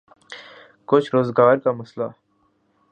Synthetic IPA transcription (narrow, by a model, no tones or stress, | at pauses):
kʊt͡ʃʰɾoːzɡaːɾkamɐsla